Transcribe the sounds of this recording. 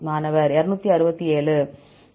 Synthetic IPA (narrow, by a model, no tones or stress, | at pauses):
maːnɐʋɐɾɛɾɯnuːt̪ːiɐɾɯbɐt̪ːieːɭɯ